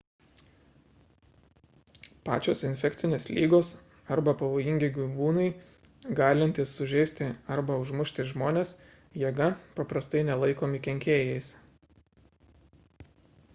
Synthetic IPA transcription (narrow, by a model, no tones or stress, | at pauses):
pɑ̰ːt͡ʃʲoːsɪnʲfʲɛk̚ʲt̪sʲɪnʲeːslʲiːɡoːs | ɐɾbɐpɐʋoːjɪŋʲɡʲɪɡʊʋuːnɐɪ | ɡɑːlʲɪnʲt̪ʲɪsːʊʒʲɛɪsʲt̪ʲɪɐɾbɐʊʒmʊʃʲt̪ʲɪʒmoːnʲeːs | jiɛɡɐpɐpɾɐst̪ɐɪnʲɛlˠɐɪkoːmʲɪkʲɛŋʲkʲeːjɛɪs